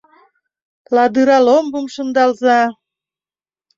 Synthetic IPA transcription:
lɑd̪ɯɾɑlombɤəmʃə̆nd̪ɑlzɑ

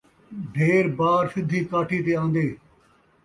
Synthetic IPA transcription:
ɖʱeːɾbaːɾsɪd̪ʱːiːkaːʈʰiːt̪eːãːnd̪eː

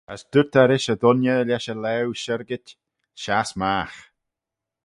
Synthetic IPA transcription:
əsd̪̥ʊɹt̪ʰaɾɪʃəd̪ʊnjəlʲɛʃəlɛwʃəɾɡɪtʲ | ʃasmaːx

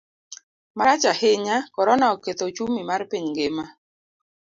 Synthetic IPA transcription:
maɾat͡ʃaheɲakɔɾɔnaɔket̪ot͡ʃumimarpiɲŋɡema

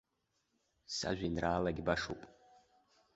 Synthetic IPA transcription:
sa̰ʒʷᶣinrʔaːlaɡʲbaʂṵpʼ

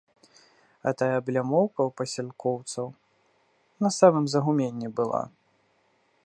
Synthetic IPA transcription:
ɐ̰t̪ajɐblʲamɔwkɐwpɐsʲɛlʲkɔwt̪sɐw | nɐsamɨmzɐɣumʲenʲːibɨlˠa̰

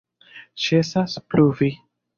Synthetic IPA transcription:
t͡ʃesaspluvi

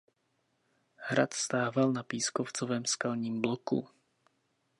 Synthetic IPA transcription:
hɾa̰t̪st̪aːvalnapiːskoft͡sovɛːmskalɲiːmblokṵ

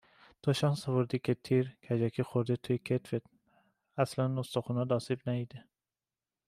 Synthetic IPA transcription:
t̪ʰoʃɑnsɒvoɾd̪ikʰet̪ʰiːɾkʰæd͡ʒɒkʰixoɾd̪et̪ʰujkʰet̪fet̪ | æslænːost̪oxunɑd̪ɒːsibnæid̪e

